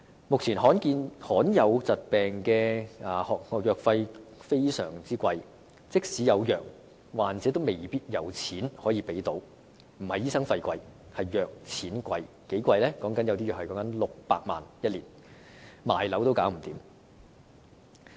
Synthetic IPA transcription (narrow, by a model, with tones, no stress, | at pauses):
mʊ˨k̚t͡sʰiː˨˩nɦɔː˨˥nkiː˧nhɔː˨˥njɐ˨˧wt͡sɐ˨t̚pɛː˨ŋkɛː˧ʔaː˨˩hɔ˨ɔ˨˧jœː˨k̚fɐ˧jfe˥jsœ̰ː˨˩ŋt͡siː˥kʷɐ˧j | t͡sɪ˥k̚siː˨˥jɐ˨˧wjœː˨˩k̚ | waː˨˩nt͡sɛ˨˥t̪o˥wme˨jpiː˥t̚jɐ˨˧wt͡sʰiː˨˥nhɔː˨˥jiː˧pe˨˥jt̪o˨˥w | m̩˨˩hɐ˨jiː˥sɐ˥ŋfɐ˧jkʷɐ˧j | hɐ˨jːœː˨k̚t͡sʰiː˨˥nkʷɐ˧j | ke˨˥jkʷɐ˧jlɛː˥kɔː˨˥ŋkɐ˨˥njɐ˨˧wt̪i˥jœː˨˩hɐ˨jkɔ˨˥ŋkɐ˨˧˥nlʊ˨k̚paː˧k̚ma̰ː˨njɐ˥t̚liː˨˩n | maː˨jlɐ˨˥wt̪o˥wkaː˨˥wm̩˨˩t̪iː˨˥m